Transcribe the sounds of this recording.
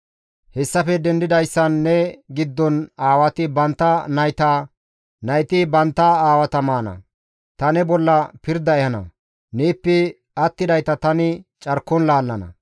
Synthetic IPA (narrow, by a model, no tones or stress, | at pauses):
hɛsːɐfɛd̪ɛnd̪ɪd̪ɐjsːɐnːɛɡɪd̪ːɔnaːwɐt̪ɪbɐnt̪ːɐnɐjt̪a | nɐjt̪ɪbɐnt̪ːɐaːwɐt̪ɐmaːnɐ̰ | t̪ɐnɛbɔlːɐpɪɾd̪ɐɛjɐnɐ̰ | neːpːɛ | ɐt̪ːɪd̪ɐjt̪ɐt̪ɐnɪt͡ʃʼɐɾkːɔnlaːlːɐnɐ̰